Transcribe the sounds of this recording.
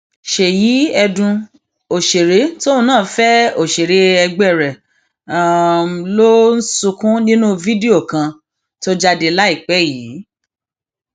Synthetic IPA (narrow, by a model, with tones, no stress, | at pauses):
ʃe˨ji˨˦ɛ˧dũ˧ | o˨ʃe˨ɾe˨˦to˦ũ˧˦nãː˦˨˦fɛ˦o˨ʃe˨ɾe˨˦ɛ˧ɡ͡bɛ˦˨ɾɛ˨ | a˦˨mlo˦n̩˦su˧kũ˦nĩ˦nũ˦vi˦di˦o˦˨kã˧ | to˦d͡ʒa˧de˧la˦i˦˨k͡pɛ˨˦jiː˨˦